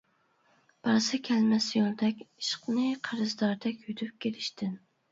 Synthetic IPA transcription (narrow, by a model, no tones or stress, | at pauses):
b̥ɑɾsɨkʲʰɛlmɛsjolˠd̪ɛkʲi̥ʃqnɨqʰəɾɨzd̪ɑɾd̪ɛkʲjyt̪ʰyp̚kʲʰeɾɪʃt̪ʰɪn